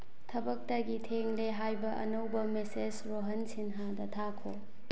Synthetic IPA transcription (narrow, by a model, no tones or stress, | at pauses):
tʰɐbɐk̚tɐɡitʰeŋleɦajbɐʔɐ̰nɐwbɐmesed͡ʒɾoɦɐnsinɦadɐtʰakʰo